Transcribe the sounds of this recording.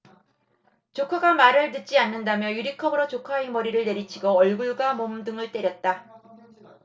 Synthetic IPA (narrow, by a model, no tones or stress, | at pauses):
t͡ɕokʰaɡamaɾɯɭtɯt̚t͡ɕ͈ianːɯndamjʌjuɾikʰʌbɯɾot͡ɕokʰaemʌɾiɾɯɭne̞ɾit͡ɕʰiɡoʌɭɡuɭɡwamomdɯŋɯɭt͈e̞ɾjʌt̚t͈a